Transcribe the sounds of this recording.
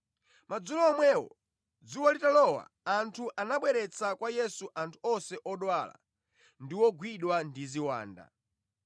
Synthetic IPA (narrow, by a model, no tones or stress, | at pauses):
mad͡zulɔːmwɛwɔ̰ | d͡zuwɔlitalɔwa̰ːntʰuʔanaɓwɛɾɛt͡sʰakwajɛsuʔantʰu̥ɔsɛʔɔɗwala̰ | ndiwɔɡwiɗwandiziwa̰ːnda̰